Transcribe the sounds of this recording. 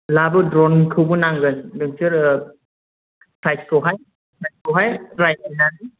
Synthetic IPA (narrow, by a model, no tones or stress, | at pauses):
labɯdɾɔnkʰɯwbɯnaŋɡɯndɯŋsɯɾ | pɾajskʰɯwɦaj | pɾajskɔɦajɾajinaŋdi